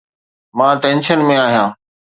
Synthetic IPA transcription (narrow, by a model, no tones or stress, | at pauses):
mãːʈẽːnʃənmẽaːɦijãː